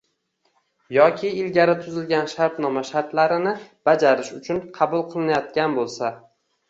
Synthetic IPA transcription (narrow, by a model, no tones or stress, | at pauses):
jɒkʲʰɪɪlɡʲaɾɪt̪ʰʊzɪlɡʲanʃaɾt̪nɒmaʃaɾt̪laɾɪnɪb̥ad͡ʒaɾɪʃʊt͡ʃʰʊnqʰɑbʊlˠqʰɨlˠɪnajɒt̪̚kʲanbolˠsa